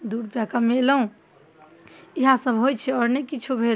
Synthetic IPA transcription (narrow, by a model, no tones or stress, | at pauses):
d̪uɽpjakamelɦũ | iɦãsəbɦojt͡ʃʰɛɔːɾnɛkit͡ʃʰubʱel